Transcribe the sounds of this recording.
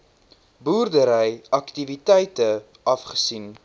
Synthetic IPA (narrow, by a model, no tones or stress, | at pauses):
buːrdəɾəjʔɐktivitɛjtə | ʔɐfχə̥sin